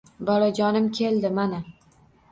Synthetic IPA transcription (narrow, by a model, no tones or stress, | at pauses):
bɒlad͡ʒɒnɪmkʲʰe̞ld̪ɪmana